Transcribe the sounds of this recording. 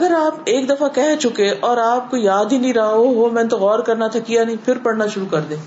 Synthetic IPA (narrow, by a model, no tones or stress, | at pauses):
ɐɡəɾaːpeːkd̪ɐfakɛɦt͡ʃʊkẽʔɔːɾaːp̚kojaːd̪ʱinĩɾaɦaoɦomɛ̃ːt̪oɣɔːɾkɐɾnat̪ʰɐkijanɐɦĩpʰɪɾpɐɽnaʃʊɾukɐɾd̪ẽː